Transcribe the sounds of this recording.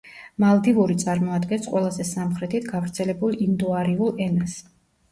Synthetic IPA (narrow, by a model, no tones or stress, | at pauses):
malˠd̪ivuɾit̪sʼaɾmɔad̪ɡɛnsqʼwɛlˠazɛsamχɾɛt̪ʰit̪ʰɡavɾt̪sʰɛlɛbulˠind̪uaɾiulˠɛnas